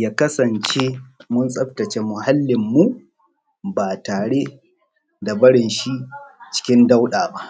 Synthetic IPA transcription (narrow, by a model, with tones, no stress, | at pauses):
jaː˦kɐ˦sɐ˨nt͡ʃeː˦mʊ˦nsʼɐ˦ɸtɐ˨t͡ʃe˦mʊ˨ɦa˦lːɪ˨mːu˦ | baː˨taː˨ɽe˦ | da˨bɐ˦ɽɪ˨nʃi˦ʔt͡ʃɪ̥˦kʲɪ˦nda˦wɗaː˨ba˦ʔ